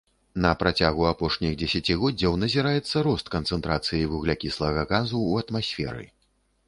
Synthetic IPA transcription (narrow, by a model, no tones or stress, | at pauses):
nɐpɾat͡sʲaɣuapɔʂnʲixd͡zʲɛsʲat͡sʲiɣɔd͡zʲɐwnɐzʲiɾajɛt̪sːɐɾɔst̪kɐnt̪sɛnt̪ɾat̪sɨjijvuɣlʲakʲislˠɐɣɐɣazuːɐt̪masʲfʲɛ̰ɾɨ̰